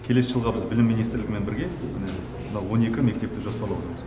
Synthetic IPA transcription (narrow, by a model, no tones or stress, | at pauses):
kʲʰe̞le̞sɪʒəlˠʁɑbɪzbɪlɪmːijnijst̪ɾlʲɪɡʲɪme̞nbɪɾɡʲe̞mɪne | mənɑwwo̞ne̞kʲɪme̞kt̪e̞p̚t̪ɪʒospɑɾlˠɑwot̪əɾməz